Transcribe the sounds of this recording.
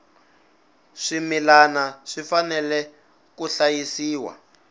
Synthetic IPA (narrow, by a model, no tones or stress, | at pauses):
ʂimilanaʂifanɛlɛ | kuɬajisiːwa̰